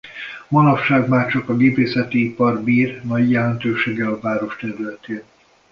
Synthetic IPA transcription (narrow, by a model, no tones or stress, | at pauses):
monɒfʃaːɡmaːrt͡ʃɒkɒɡeːpeːsɛt̪iipɒrbiːrnɒɟjɛlɛnt̪øːʃeːɡɛlɒvaːɾo̞ʃt̪ɛɾylɛt̪eːn